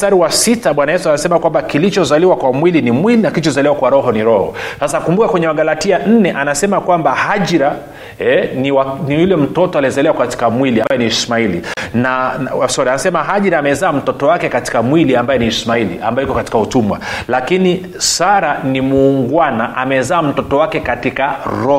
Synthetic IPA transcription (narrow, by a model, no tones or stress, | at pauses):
taɾiwasitaɓwanajɛsuanasɛmakwambakilit͡ʃɔzaliwakwamwilinimwilinakilit͡ʃɔzaliwakwaɾɔɦɔniɾɔhɔ̰sasakumbukakwɛɲɛwaɠalatian̩nɛʔanasɛmakwambahaʄɾa | ɛniwanijulɛm̩tɔtɔaliɛzalɛwakati̥kamwiliambajɛnismailḭnasɔɾianasɛmaɦaʄiɾaːmɛzaːm̩tɔtɔwakɛkati̥kamwiliambajɛniːsmailḭʔa̰mbajɛikɔkati̥kautumwa̰lakini | saɾanimuːŋɡwanaʔamɛzaːm̩tɔtɔwakɛkatikaɾɔ